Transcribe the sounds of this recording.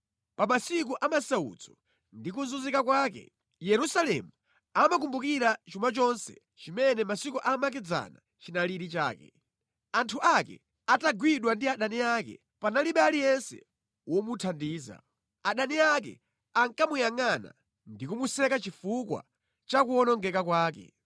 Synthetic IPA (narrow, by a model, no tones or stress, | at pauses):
pamasik̬uʔamasaṵd͡zɔ | ndikunzuzikak̬waːkɛ̰ | jɛɾusalɛmu | amak̬umbukiɾat͡ʃumat͡ʃɔnsɛ̰ | t͡ʃimɛnɛmasikuʔamak̬ɛd͡za̰na̰ | t͡ʃinaliɾit͡ʃa̰ːkɛ̰ | antʰuʔakɛ̰ | ataɡwiɗwandiaɗaniakɛ̰ | panaliɓɛalijɛnsɛ̰ | wɔmutʰandiːza̰ | aɗaniakɛ̰ | aŋkamujaŋana̰ | ndikumusɛkat͡ʃifukwa̰ | t͡ʃakuɔnɔŋɡɛkakwaːkɛ̰